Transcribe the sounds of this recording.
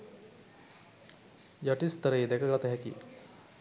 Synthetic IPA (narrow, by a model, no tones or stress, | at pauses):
jaʈist̪ɐɾejd̪ɛkəɡat̪ɐɦɛkḭ